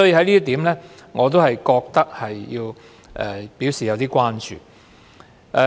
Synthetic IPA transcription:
sɔː˨˥jiː˧hɐ˧jliː˥t̪iː˨˥mlɛː˥ŋɔː˨˧t̪̬o˥whɐ˨jkɔː˧k̚t̪ɐ˥k̚hɐ˨jːiː˧w | ʔɛ̰ː˨˩pi˨˥wsiː˨˩jɐ˨˧wt̪iː˥kʷwaː˥nt͡ʃy̰ː˨ | ʔɛ˧

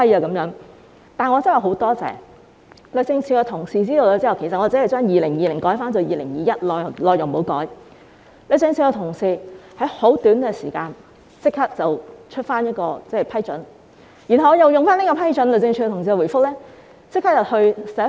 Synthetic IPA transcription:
ɐ˥jaː˧kɐ˨˧˥mjœː˨˥ŋ | t̪aː˨nŋɔ˨˧t͡sɐ˥˨˩ho˨˥wt̪ɔː˥t͡sɛ̰ː˨˩ | lɵ˨˧t͡sɪ˧ŋt͡ʃʰyː˧kɛ˧t̪ʰʊ˨˩ŋsiː˨˧t͡siː˥d̪o˧o˧t͡siː˥˨wkʰe˨˩sɐ˨t̚ɔ˨˧t͡siː˨˧˥hjt͡ʃœː˥ŋjiː˨lɪ˨˩ŋjiː˨lɪ˨˩ŋkɔː˨˥jfaː˥nt͡sɔ˨wjiː˨lɪ˨˩ŋjiː˨˧jɐ˥t̚lɔː˨jlɔː˨jʊ˨˩ŋmo˨˥wkɔ̰ː˨˥j | lɵ˨˧t͡sɪ˧ŋt͡sʰiː˧kɛ˧t̪ʰʊ˨˩ŋsiː˧hɐ˨˥jho˨˥wt̪yː˨˥nɡɛ˧siː˨˩kaː˧n | t͡sɪ˥kʰːaː˥k̚t͡sɐ˨wt͡ʃʰɵ˥t̚faː˥njɐ˥t̚kɔː˧t͡sɛ˥˩˨pʰɐ˥jt͡ʃɵ˨˥n | jy˨˩nɦɐ˨wŋɔː˧jɐ˨˩wjʊ˨˩ŋfaː˥niː˥kɔː˧pʰɐ˥jt͡ʃɵ˨˥nlɵ˨˩t͡sɪ˧ŋt͡ʃʰy˧kɛ˧t̪ʰʊ˨˩ŋs̬i˧˨wuː˨˩fʊ˥k̚lɛː˥ | t͡sɪ˥k̚ʰːaː˥k̚jɐ˨˩whɵ˧ɥsɛ˨˥

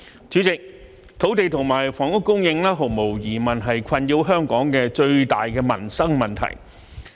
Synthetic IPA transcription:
t͡syː˨˥t͡sɪ˨k̚ | t̪ʰo˨˥wt̪e˨jt̪ʰʊ˨˩ŋmaː˨˩jfɔː˨˩ŋʊ˥kːʊ˥ŋjɪ˧ŋlaː˥ɦʊ˨˩ŋmo˨˩wjiː˨˩mɐ˨nɦɐ˨jkʷʰɐ˨˧njiː˧wɦœː˥ŋkɔː˨˥ŋkɛː˧t͡ʃɵ˧ɥt̪a̰ː˨jkɛː˧mɐ̰˨˩nsɐ˥ŋmɐ˨˩nt̪ʰɐ̰˨˩j

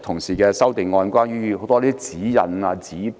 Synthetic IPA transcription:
t̪ʰʊ˨˩ŋsiː˨˩kɛː˧sɐ˥wt̪ɪ˨ŋːɔː˧nkʷaː˥nɥyː˥ɦo˨˧˥t̪ɔː˥liː˥i˥t͡siː˨˥jɐ̰˨˧naː˧t͡siː˨˥

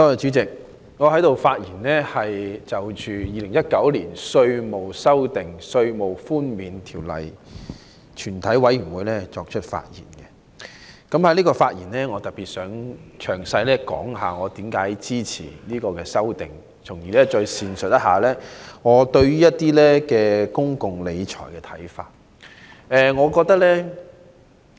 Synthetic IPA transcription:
t̪ɔː˧˨t͡ʃy˨˥t͡sɪ˨k̚ | ŋɔː˨˧hɐ˨˥jt̪o˨wfaː˧t̚jiː˨˩nlɛ˥hɐ˨jt͡sɐ˨˩wt͡ʃyː˨jiː˧lɪ˨˩ŋjɐ˥t̚kɐ˨˥wliː˨˩nsɵ˧ɥmo˨wsɐ˥wt̪ɪ˨ŋsɵ˧ɥmo˨˩wfuː˥nmiː˨nt̪ʰiː˨˩wlɐ̰˨j | t͡ʃʰyː˨˩nt̪ʰɐ˨˥jwɐ˨˥jy˨˩nwuː˨˧jlɛː˥t͡sɔː˧k̚t͡ʃʰɵ˥t̚fa̰ː˧t̚jḭː˨˩nkɛ˧ | kɐ˨˥mha˨jliː˥kɔː˧faː˧t̚jiː˨˩nlɛː˥ŋɔː˨˧t̪ɐ˨˩t̚piː˨t̚sœː˨˥ŋt͡ʃʰœː˨˩ŋsɐ˧jlɛː˥kɔ̰ː˨˥ŋɦaː˨ŋɔː˨˧t̪iː˨˥mkaː˨˥jt͡siː˥t͡sʰḭː˨˩liː˥kɔː˧kɛː˧sɐ˥wt̪ɪ˨ŋ | t͡sʰʊ˨˩ŋjiː˨˩lɛː˥t͡sɔː˧jsiː˨nsɵ˨t̚jɐ˥t̚haː˨˩lɛː˥ŋɔː˨˧t̪ɵ˧ɥjyː˥jɐ˥t̚t̪iː˥lɛː˥kɛː˧kʊ˥ŋkʊ˨ŋle˨˧jt͡ʃʰɔ̰ː˨˩jkɛ˧t̪ʰɐ˨˥jfa̰ː˧t̚ | ɛː˨˧ŋɔː˨˧kɔː˧k̚t̪ɐ˥k̚lɛː˥

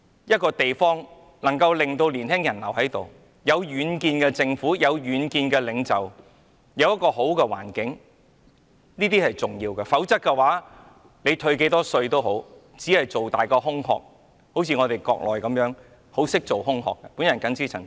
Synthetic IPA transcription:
jɐ˥t̚kɔː˧t̪e˨jfɔː˥ŋ | lɐ˨˩ŋkɐ˧wlɪ˨ŋt̪o˧wliː˨˩nhɪ˥ŋjɐ˨˩nlɐ˨˩whɐ˨˥jt̪o˨˩w | jɐ˨˧wjyː˨˧nkiː˧nkɛː˧t͡sɪ˧ŋfuː˨˥jɐ˨˧wjyː˨˧nkiː˧nkɛː˧lɪ˨˧ŋt͡sɐ˨w | jɐ˨˧wjɐ˥t̚kɔː˧ho˨˥wkɛː˧wa̰ː˨˩nkɪ˨˥ŋ | niː˥t̪iː˥hɐ˨jt͡sʊ˨˩ŋjiː˧wkɛː˧fɐ˨˥wt͡sɐ˥t̚kːɛ˧waː˨˥ | le˨˧jt̪ʰɵ˧ɥke˨˥jt̪ɔː˥sɵ˧ɥt̪o˥wɦo˨˥w | t͡siː˨˥hɐ˨jt͡so˨˩wt̪aː˨jkɔː˧ɦʊ˥ŋhɔ̰ː˧k̚ | ho˨˥wt͡sʰiː˧ŋɔː˨˧t̪e˨jkɔ̰ː˧k̚lʔɔː˨˩jkɐ˨˧˥mjœː˨˧˥ŋ | ho˨˥wsɪ˥k̚t͡so˨˩wɦʊ˥ŋɦɔ̰ː˨kːɛ˧puː˨˥njɐ˨˩nkɐ˨˥nt͡siː˥ɐ˨˩ŋ

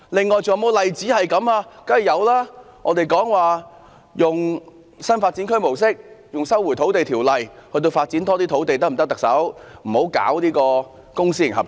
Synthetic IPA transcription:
lɪ˨ŋːɔː˨jt͡so˨ŋjmo˨˧wlɐ˨jt͡siː˨˥hɐ˨jkɐ˨˧˥maː˧kɐː˥˨˩jɐ˨˧wlaː˥ | ŋɔː˧t̪e˨jkɔː˨˥ŋwaː˨˩ | jʊ˨ŋ | sɐ˥nfaː˧t̚t͡siː˨˥nkʰɵ˥mo˨˩ws̬ɪ˥k̚jʊ˨ŋsɐ˥wːu˨˩jt̪ʰo˨˥wt̪e˨jt̪ʰiː˨˩wlɐ˨jhɵ˧ɥt̪̬o˧wfaː˧t̚t͡si˨˥nt̪ɔː˥t̪iː˥t̪ʰo˨˥wt̪e˨jt̪ɐ˥m̩˨˩t̪̚t̪ɐ˨k̚sɐ˨˥wm̩˨˩ho˨˥wka̰ː˨˥wliː˥kɔː˧ | kʊ˥ŋsiː˥jɪ˨˩ŋɦɐ˨p̚

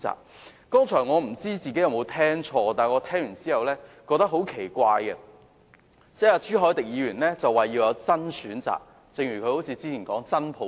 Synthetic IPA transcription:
t͡sa̰ː˨k̚ | kːɔː˥ŋt͡ʃʰœː˨˩ŋɔː˨˧m̩˨˩t͡siː˥t͡siː˨ke˨˥jɐ˨˧wmo˨˧wt̪ʰɛː˥ŋt͡ʃʰɔː˧t̪aː˨nŋɔ˨˧t̪ʰɛː˥ŋjyː˨˩nt͡siː˥hɐ˨wlɛː˥kɔː˧k̚t̪ɐ˥k̚ɦo˨˥wkʰe˨˩jkʷaː˧jkɛ˧ | t͡sɛː˨˥aː˧t͡ʃyː˥ɦɔː˨˥jt̪ɪ˨k̚jiː˨˧ɥyː˨˩nlɛː˥t͡sɐ˨wːaː˨jiː˧wjɐ˨˧wt͡sɐ˥nsyː˨˥nt͡sa̰ː˨˩k̚ | t͡sɪ˨ŋjyː˨˩kʰɵ˧ɥho˨˥wt͡sʰiː˨˧˥t͡siː˥iː˨˩nkɔː˨˥ŋt͡sɐ˥npʰo˨˧˥

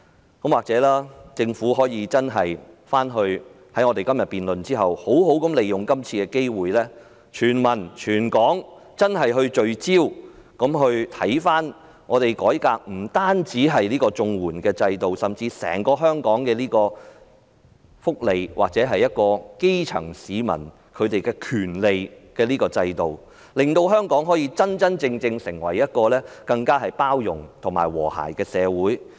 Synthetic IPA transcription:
kɐ˨˥mwaː˨k̚t͡sɛː˨˥laː˥t͡sɪ˧ŋfuː˨˥ɦɔː˨˥jiː˨˧t͡sɐ˥nɦɐ˨jfaː˥nɦɵ˧ɥ | hɐ˨˥jŋɔː˨˧t̪e˨jkɐ˥mjɐ˨t̚piː˨nlɵ˨nt͡siː˥ɦɐ̰˨who˨˥wɦo˨˥wkɐ˨˥mle˨jjʊ˨ŋkɐ˥mt͡sʰiː˧kɛː˧ke˥jwuː˨jlɛː˥ | t͡ʃʰyː˨˩nmɐ˨˩nt͡ʃʰyː˨˩nkɔː˨˥ŋt͡sɐ˥nɦɐ˨jɦɵ˧ɥt͡ʃɵ˨˧ɥt͡siː˥wkɐ˨˥mɦɵ˧ɥt̪ʰɐ˨˥jfaː˥n | ŋʔɔː˨˧t̪e˨jkɔː˨˥jkaː˧k̚m̩˨˩t̪aː˥nt͡siː˨˥ɦɐ˨jliː˥kɔː˧t͡sʊ˧ŋwuː˨˩nkɛː˧t͡sɐ˧jt̪o˨wsɐ˨˩mt͡siː˧sɛ̰ː˨˩ŋkɔː˧ɦœː˥ŋkɔː˨˥ŋkɛː˧liː˥kɔː˧ | fʊ˥k̚le˨jwʔaː˨k̚t͡sɛː˨˥ɦɐ˨jːɐ˥t̚kɔː˧ke˥jt͡sʰɐ̰˨˩ŋsiː˨˧mɐ̰˨˩n | kʰɵ˨˧ɥt̪e˨jkɛː˧kʰyː˨˩nle˨jkɛː˧nliː˥kɔː˧t͡sɐ˧jt̪o˨w | lɪ˨˩ŋt̪o˧wɦœː˥ŋkɔː˨˥ŋɦɔː˨˥jiː˧t͡sɐ˥nt͡sɐ˥nt͡sɪ˧ŋt͡sɪ˧ŋsɪ˨˩ŋwɐ˨˩jːɐ˥t̚kɔː˧lɛː˥kɐ˧ŋkaː˥ɦɐ˨jpaː˥wjʊ˨˩ŋt̪ʰʊ˨˩ŋma̰ː˨˩jwɔ̰ː˨˩ha̰ː˨˩jkɛː˧sɛː˨˧wuː˨˥j

